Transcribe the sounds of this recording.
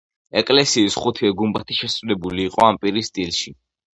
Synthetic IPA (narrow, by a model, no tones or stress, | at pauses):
ɛkʼlɛsiːsχut̪ʰiɛɡumbat̪ʰiʃɛsvd̪ɛbuliːqʼɔampʼiɾisd̪ʼilˠʃi